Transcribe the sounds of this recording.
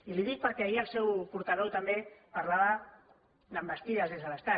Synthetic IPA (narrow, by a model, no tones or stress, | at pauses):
iliðik̚pəɾkɛaiəlˠsɛwpuɾt̪aðowt̪ambepaɾlaβa | nəmbəst̪iðəzðezðələst̪a